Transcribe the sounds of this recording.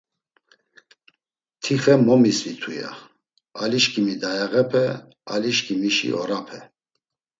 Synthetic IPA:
t̪ʰiχɛmɔmisvit̪ʰuja̰ | aliʃkʼimid̪ajaɣɛpʰɛ | aliʃkʼimiʃḭʔɔɾapʰɛ

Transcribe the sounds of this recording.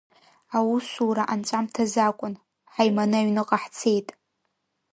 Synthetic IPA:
awusuɾaʔant͡ʃʷʼamtʰazakʷʼʊn | ħajmanɨaɥnɨqʼaħt͡sʰe̞jtʼ

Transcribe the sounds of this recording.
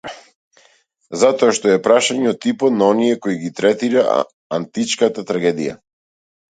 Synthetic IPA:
zat̪ɔaʃt̪ɔɛpɾaʃaɲɛɔt̪ːipɔt̪naɔnijɛkɔiɡit̪ɾɛt̪iɾa | ant̪it͡ʃkat̪at̪ɾaɡɛd̪ija̰

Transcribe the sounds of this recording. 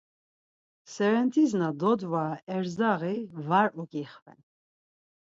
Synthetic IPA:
sɛɾɛnt̪ʰiznad̪ɔd̪vaːɛɾzaʁivaɾɔkʼiχvɛ̰n

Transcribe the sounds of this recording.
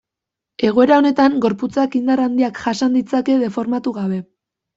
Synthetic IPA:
e̞ɣ̞o̞e̞ɾao̞ne̞t̪aŋɡo̞ɾput͡sakind̪arand̪iakʝasand̪it͡sake̞ðe̞fo̞ɾmat̪uɣaβe̞

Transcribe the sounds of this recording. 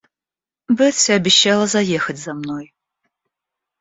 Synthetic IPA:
bɨsiabɪʃːaːlɐzajexɨdzɐmnoj

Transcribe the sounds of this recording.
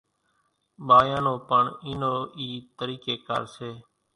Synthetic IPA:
ɓaːjãːnõːpəɳiːnoːiːt̪əɾiːkeːka̰ːɾseː

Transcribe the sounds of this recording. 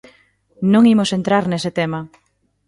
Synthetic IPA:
nõŋimʊsent̪ɾaɾnesɪt̪emɐ

